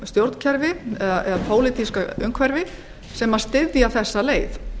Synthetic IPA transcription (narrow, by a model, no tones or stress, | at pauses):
st̪jowɾt̪n̥cʰɛɾvɪɛðaɛðapʰoːwlɪt̪iskaʏŋkʰvɛɾvɪ | sɛmḁst̪ɪðjaθɛsːaleːjθ